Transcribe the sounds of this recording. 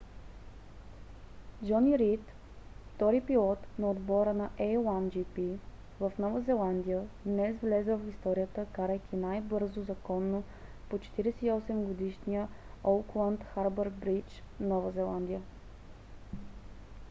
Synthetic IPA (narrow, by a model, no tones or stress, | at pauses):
d͡ʒɔniɾit̪ | ft̪ɔɾipilˠɔt̪nɐod̪bɔɾənɐʔɛjlˠand͡ʒipi | vɐfnɔvəzɛlˠand̪ijəd̪nɛsvlɛzɛvɐfist̪ɔɾijət̪əkaɾəjkʲinajbɤɾzozɐkɔnːo | pot͡ʃɛ̥t̪iɾɛsɛiɔsɛmɡod̪iʃnijə | olˠklˠant̪xaɾbəɾbɾit͡ʃ | nɔvəzɛlˠand̪ijə